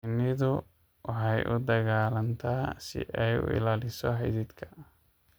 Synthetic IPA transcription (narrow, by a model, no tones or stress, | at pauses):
nɪðʊ | ʔɦɛjʔʊd̪ɐɣaːlɐnt̪ʰaːsɪ̰ʔɛjʊ̰ɪ̰laːlɪsɔɦɛjðiːd̪kʰɐ̥